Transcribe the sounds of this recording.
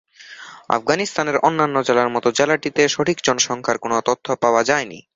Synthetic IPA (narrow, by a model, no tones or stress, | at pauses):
a̰fɡanist̪aneɾonːanːod͡ʑelaɾmɔt̪od͡ʑɛlaʈit̪eʃoʈʰikd͡ʑɔnoʃɔŋkʰaɾkonot̪ot̪ʰːopaoad͡ʑaenḭ